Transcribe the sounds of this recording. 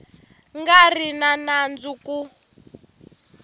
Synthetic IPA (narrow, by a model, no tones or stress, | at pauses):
ŋɡarinanand͡zuku